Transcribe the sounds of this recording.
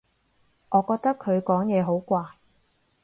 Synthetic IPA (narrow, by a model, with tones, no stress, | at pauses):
ʔɔː˨˧kɔː˧k̚t̪ɐ˥kʰːɵ˨˧ɥkɔː˨˥ŋjɛː˨˧ɦo˨˥wkʷaː˧